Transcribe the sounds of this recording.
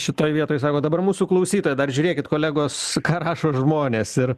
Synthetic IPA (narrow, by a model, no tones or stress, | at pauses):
ʃʲɪt̪oːjʋʲiɛt̪oːjs̬ɑːkoːd̪ɐbɐrmuːsuːklˠɐʊsʲiːt̪oːjɛd̪ɐrʒʲuːɾʲeːkʲɪt̪koːlʲæːɡoːskɑːɾɑːʃoːʒmoːnʲeːsɪr